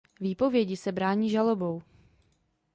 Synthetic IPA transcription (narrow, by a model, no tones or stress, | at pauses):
viːpo̞vjɛɟɪsɛbɾaːɲiːʒalo̞bo̞w